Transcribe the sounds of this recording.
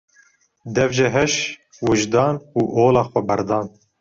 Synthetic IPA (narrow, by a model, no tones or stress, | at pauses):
d̪ɛvʒɛɦɛʃ | wɨʒd̪ɑːnuːʔoːlɑːxʷɛbɛɾd̪ɑːn